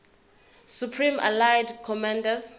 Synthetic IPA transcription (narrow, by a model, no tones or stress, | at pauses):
supʰrĩma̰lajdkʰɔmãndaz